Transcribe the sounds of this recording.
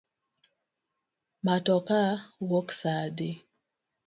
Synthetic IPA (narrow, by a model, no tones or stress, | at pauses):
matɔkawɔksade